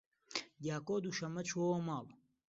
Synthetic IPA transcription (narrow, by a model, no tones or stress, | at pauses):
ɡaːkoːd̪uʃɐmɐt͡ɕʰoomaːb